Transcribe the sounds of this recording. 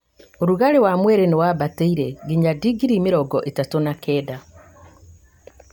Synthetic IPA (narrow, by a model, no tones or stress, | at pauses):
oɾuɣaɾewamweɾeniwabateiɾeɡiɲadiɡiɾimiɾɔɡɔʔetatonakʰeːda